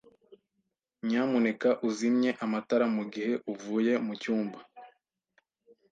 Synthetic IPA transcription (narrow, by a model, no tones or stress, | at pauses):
ɲamune̞kaʔuzimɲe̞ʔamataɾamuɡihe̞ʔuvuːje̞mucuːmba